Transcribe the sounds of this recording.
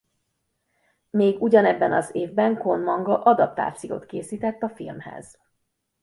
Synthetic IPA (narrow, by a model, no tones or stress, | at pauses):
meːɡuɟɒnɛbːɛnɒzeːvbɛŋkonmɒŋɡɒʔɒd̪ɒp̚t̪a̰ːft̪siko̰ːt̪keːsiːt̪ɛt̪ːɒfilmhɛ̰z̥